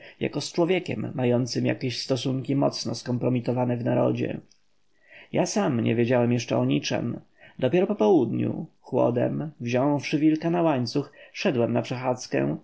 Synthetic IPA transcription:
ja̰kɔst͡ʂwɔvʲjɛkʲɛ̰mːajɔnt̪sɘmja̰kʲeɕst̪ɔsuŋkʲimɔt̪snɔskɔmpɾɔmʲit̪ɔvanɛvnaɾɔ̰d͡ʑɛ̰ | jasamɲɛ̰vʲjed͡ʑawɛmjɛʂt͡ʂɛɔɲit͡ʂɛ̰m | d̪ɔpʲjɛɾɔpɔpɔwud̪ɲṵxwɔ̰d̪ɛ̰mvʑɔ̃w̃fʂɘvʲilkanawaɲt̪suxfʂɛd̪wɛmnapʂɛxat̪skɛ̰̃

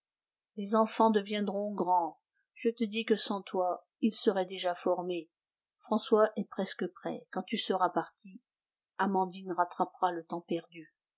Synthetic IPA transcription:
lezɑ̃fɑ̃d̪əvjɛ̃d̪ʁɔ̃ɡʁɑ̃ | ʒ̥ət̪əd̪ikəsɑ̃t̪wa | ilsəʁɛd̪eʒafɔʁme | fχɑ̃swaʔɛpχɛskəpχɛ̰kɑ̃t̪ysəʁapaʁt̪ʰi | amɑ̃d̪inʁat̪χapʁalət̪ɑ̃pɛʁd̪y

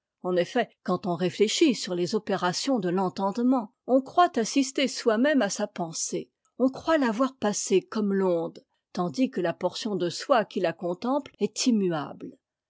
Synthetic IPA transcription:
ɑ̃nefɛkɑ̃t̪ɔ̃ʁefleʃisyʁlezɔpeʁasjɔ̃d̪əlɑ̃t̪ɑ̃d̪mɑ̃ | ɔ̃kχwat̪asist̪eswamɛmasapɑ̃se | ɔ̃kχwalavwaʁpasekɔmlɔ̃d̪ | t̪ɑ̃d̪ikəlapɔʁsjɔ̃d̪əswakʲilakɔ̃t̪ɑ̃plɛt̪ʰimya̰bl

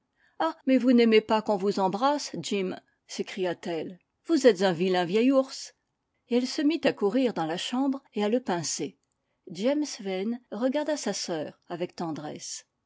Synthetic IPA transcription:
amɛvunɛmepakɔ̃vuzɑ̃bʁasd͡ʒim | sekχijat̪ɛl | vuzɛt̪zɛ̃vilɛ̃vjɛjuʁs | eɛlsəmit̪akuʁiʁd̪ɑ̃laʃɑ̃bʁealəpɛ̃se | d͡ʒɛmsvɛnʁəɡaʁd̪asasœːʁavɛk̚t̪ɑ̃d̪ʁɛ̰s

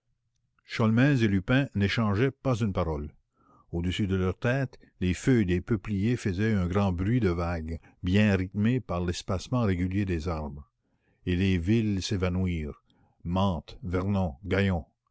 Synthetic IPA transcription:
ʃɔlmɛzelypɛ̃neʃɑ̃ʒɛpazynpaʁɔl | od̪əsyd̪əlœʁt̪ɛːt̪ | lefød̪epøplijefəzɛœ̃ɡʁɑ̃bʁɥid̪əvaɡ | bjɛ̃ʁit̪mepaʁlɛspasmɑ̃ʁeɡʲyljed̪ezaʁbʁ | elevilsevanwiːʁ | mɑ̃ːt̪vɛʁnɔ̃ɡajɔ̃

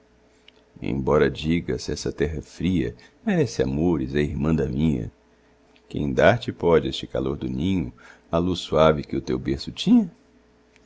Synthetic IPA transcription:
ḛ̃j̃bɔɾɐd͡ʒiɡɐsɛsɐt̪ɛɦɐfɾiɐ̰meɾɛsɪa̰moɾɪzɐiɾmɐ̃d̪ɐmĩɲɐ̰ | kẽj̃d̪aɾt͡ʃɪpɔd͡ʒɪest͡ʃɪka̰loɾd̪ʊnĩɲʊ | alusːuavɪkɪʊt̪ewbeɾsʊt͡ʃĩɲɐ

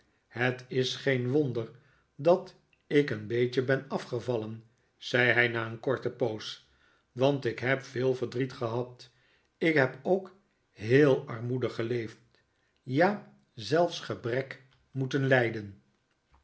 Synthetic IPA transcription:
hətɪsχejnʋondər | dɑt | ɪkənbejt͡ʃəbɛnɑfχəvɑlən | z̥ɛjɦɛjnaːənkɔɹtəpows | ʋɑntɪkɦɛpfɪːlˠvədritχəɦɑt | ɪkɦɛpowk | ɦɪːlˠɑɹmudəχəlejft | jaː | zɛlˠfsχəbrɛk | mutənlɛjdən

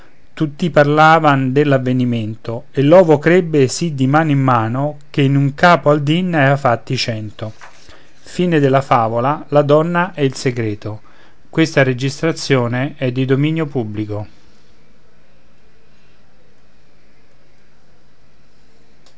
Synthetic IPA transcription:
t̪ut̪ːiparlaːvand̪elːavːeniment̪oelːɔːvokɾebːesid̪ːimaːnimːaːnokeinuŋkaːpoald̪inːɛafat̪ːit͡ʃɛnt̪o | fiːned̪elːafaːvolalad̪ɔnːaʔɛilseɡɾeːt̪o | kwest̪aɾed͡ʒist̪ɾat̪sːjoːneɛd̪ːid̪ominjopubːliko

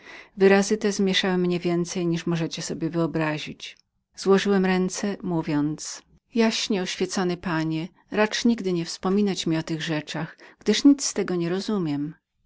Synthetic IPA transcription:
vɘɾazɘt̪ɛzmʲjɛʂawɘmɲɛvʲjɛnt̪sɛjɲiʂmɔʐɛt͡ɕɛsɔbʲjɛvɘɔbɾaʑit͡ɕ | z̥wɔʐɘwɛmɾɛnt̪sɛmuvʲjɔnt̪s | jaɕɲɛɔɕfʲjɛt̪sɔnɘpaɲɛ | ɾat͡ʂɲiɡd̪ɘɲɛfspɔmʲinat͡ɕmʲiɔt̪ɘɣʐɛt͡ʂaxɡ̥d̪ɘʂɲit̪st̪ɛɡɔɲɛɾɔzumʲjɛm

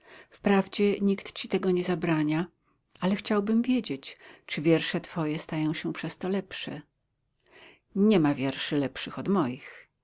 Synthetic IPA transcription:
fpɾavd͡ʑɛɲikt̪t͡ɕit̪ɛɡɔɲɛzabɾaɲa | alɛxt͡ɕawbɘmvʲjed͡ʑet͡ɕt͡ʂɨvʲjɛɾʂɛt̪fɔjɛst̪ajɔ̃w̃ɕɛpʂɛst̪ɔlɛpʂɛ̰ | ɲɛmavʲjɛɾʂɘlɛpʂɘxɔd̪mɔjix

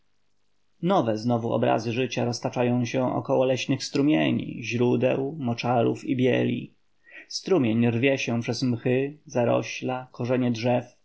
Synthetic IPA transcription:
nɔvɛznɔvuɔ̰bɾa̰zɘʐɘt͡ɕaɾɔst̪at͡ʂajɔ̃w̃ɕɛʔɔ̰kɔwɔlɛɕnɘxst̪ɾumʲjḛɲḭʑɾud̪ɛ̰wmɔt͡ʂaɾufibʲjɛ̰lʲḭ | st̪ɾumʲjeɲrvʲjɛɕɛpʂɛzmxɘzaɾɔ̰ɕlakɔʐɛɲɛdʐɛf

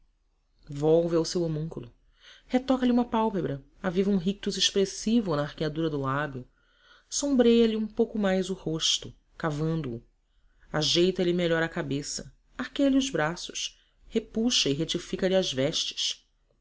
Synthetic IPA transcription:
vɔwvɪawsewemũŋkulʊ | het̪ɔkɐliũmɐpawpebɾɐ | avivɐũɦik̚t̪uzeʃpɾesivʊnɐːχkiad̪uɾɐd̪ʊlabjʊ | sõmbɾejɐliũpowkʊmajzʊhoʃt̪ʊ | kavɐ̃nd̪uː | aʒejt̪ɐlimeʎɔɾɐkabesɐ | ahkejɐliʊzbɾasʊ̥ʃ | hepuʃɐɪɦet͡ʃifikɐliɐzvɛʃt͡ʃɪ̥s

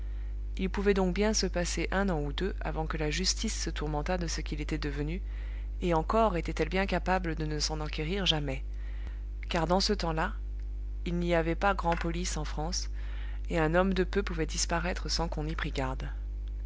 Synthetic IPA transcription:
ilpuvɛd̪ɔ̃k̚bjɛ̃səpaseʔɛ̃nɑ̃ud̪øʔa̰vɑ̃kəlaʒyst̪isːət̪uʁmɑ̃t̪ad̪əsəkʲilet̪ɛd̪əvəny | eɑ̃kɔʁet̪ɛt̪ɛlbjɛ̃kapabləd̪ənəsɑ̃nakʲeʁiʁʒamɛ | kaʁd̪ɑ̃sət̪ɑ̃la | ilniavɛpaɡʁɑ̃pɔlisɑ̃fχɑ̃s | eɛ̃nɔmd̪əpøpuvɛd̪ispaʁɛt̪χəsɑ̃kɔ̃nipχiɡaʁd̪

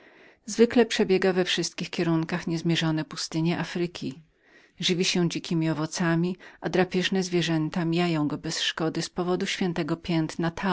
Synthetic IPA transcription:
zvɘklɛpʂɛbʲjɛɡavɛfʂɘst̪̚kʲixkʲɛɾuŋkaxɲɛzmʲjɛʐɔnɛpust̪ɘɲɛʔafɾɘkʲi | ʐɘvʲiɕɛ̃d͡ʑikʲimʲiɔvɔt̪samʲiʔad̪ɾapʲjɛʐnɛzvʲjɛʐɛnt̪amʲijajɔ̃w̃ɡɔbɛsʂkɔd̪ɘspɔvɔd̪uɕfʲjɛnt̪ɛɡɔpʲjɛnt̪nat̪ʰa

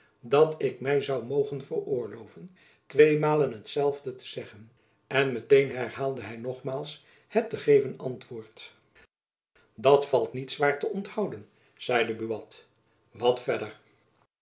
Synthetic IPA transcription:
dɑtɪkmɛjzɑwmowχənvərʊːɹlowvən | tʋejmaːlənɦətsɛlˠvdətə̥z̥ɛχən | ɛnmətejnɦɛɹhaːlˠdəɦɛjnɔχmaːlˠs | hɛtəχejvənɑntʋʊːɹt | dɑtfɑlˠtnitsʋaːɹtəɔnthɑwdən | z̥ɛjdəbyʋɑt | ʋɑtfɛdəɹ

